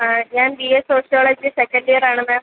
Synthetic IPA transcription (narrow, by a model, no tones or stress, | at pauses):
ɲaːnbiesoːʂijoːɭɐd͡ʑɨsekːɐnɖijɐɾaːɳɨmaː